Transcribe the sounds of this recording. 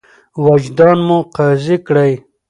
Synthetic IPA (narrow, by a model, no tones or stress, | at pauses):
wad͡ʒd̪ɑnmuqɑzikɽaj